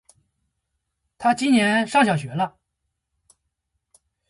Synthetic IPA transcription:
t̪ʰa˥t͡ɕi˥nnjɛ˧˥nʂɑ˥˩ŋɕjɑ˨˩ɕ̬ɥɛ˧˥lə˦˧

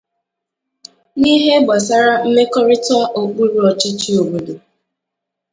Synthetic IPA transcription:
ni˦ɦe˦ɡ͡ba˨s̬a˦ɾa˦m̩˦me˦kɔ˦ɾɪ˦tʊ˦a˦ʔo˨k͡pu˦ɾu˦ɔ˨t͡ʃɪ˦t͡ʃi˦o˨bu˨du˨

